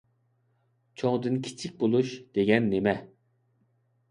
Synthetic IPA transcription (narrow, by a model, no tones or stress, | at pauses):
t͡ʃʰoŋd̪ɨnkʲʰi̥t͡ʃʰik̚ʲbolˠuʃd̪̥eɡʲɛnːemɛ